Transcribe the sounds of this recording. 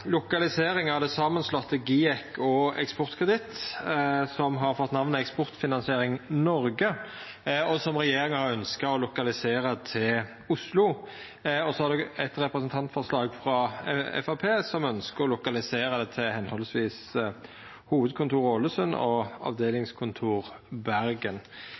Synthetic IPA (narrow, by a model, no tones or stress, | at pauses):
lʊkɑlɪseːɾɪŋɑʋd̪ɛsɑmənslɔt̪ʰːəɡiːɛkɔɛ̰kspɔʁt̪kʰʁəd̪ɪt̪ː | sɔmɦɑɾfɔt̪ːnɑʋnəɛkspɔʁt̪fɪnɑnsɪeːɾɪŋnɔɾɡə | ɔsɔmʁɛjeːɾɪŋəhɑɾœnskɑɔlʊkɑlɪseːɾət̪ʰɪl | ʊslʊ | ɔsɔhɑʁd̪ɛɛt̪ɾɛpɾəsənt̪ʰɑnt̪fɔʁslɑːɡfɾɑɛ̰fɑpʰeːsɔmœnskəɾɔlʊkɑlɪseːɾəd̪ɛt̪ʰɪlhɛnhɔlsʋiːs | huːʋəd̪̚kʰʊnt̪ʰuːɾoːləsœnɔ̰ɑ̰ʋd̪eːlɪŋskʰʊnt̪ʰuːʁbæɾɡən